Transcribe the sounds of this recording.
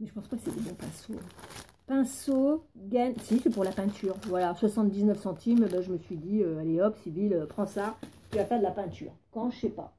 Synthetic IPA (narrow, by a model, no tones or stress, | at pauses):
mɛʒəpɑ̃spakəsɛd̪ebɔ̃pɛ̰̃so̰ | pɛ̃soɡansisɛpuʁlapɛ̃t̪ʰyʁvwalaswasɑ̃t̪̚d̪iznœfsɑ̃t̪ʰimøbãʒəməsɥid̪iøaleɔpsiviløpχɑ̃saʁt̪yvafɛʁd̪əlapɛ̃t̪ʰy̰ːʁkɑ̃ʒəsɛpa̰